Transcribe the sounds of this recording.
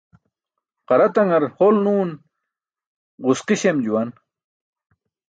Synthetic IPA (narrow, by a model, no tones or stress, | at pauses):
qɑɾɐt̪ɐŋɐɾholnuːn | ɢusqiɕemd͡ʑuwan